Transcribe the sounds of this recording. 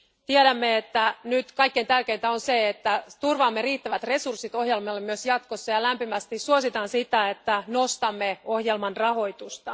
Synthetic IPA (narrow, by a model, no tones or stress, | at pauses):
t̪ieɾæmːeet̪ːænyt̪kɑjkːeint̪ærke̞jnt̪æonseet̪ːæt̪urʋɑːmːeɾiːt̪ːæʋæt̪re̞sursːit̪o̞hjelmɑlːemyøsjɑt̪kosːɑjɑlæmpimæst̪issuosit̪ɑːnsit̪æet̪ːænost̪ɑmːeo̞hjelmɑnrɑho̞jt̪ust̪ɑ